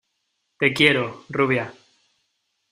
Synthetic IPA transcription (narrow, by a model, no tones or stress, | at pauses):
t̪e̞kjeɾoruβja